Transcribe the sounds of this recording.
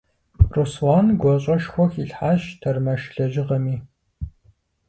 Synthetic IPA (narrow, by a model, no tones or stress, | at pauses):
ruswaːnɡʷɔɕʼɐʃxʷɔxiɬħaːɕtʰɐrmɐʃɬɐʒɪʁɐmiː